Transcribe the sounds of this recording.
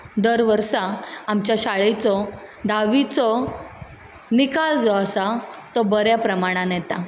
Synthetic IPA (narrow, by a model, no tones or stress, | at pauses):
d̪əɾʋəɾsaːmt͡ɕjaɕaɭet͡sɔd̪aʋit͡sɔ | nikald͡zɔəsat̪ɔbəɾjapɾəmaɽ̃ãnjɛt̪a̰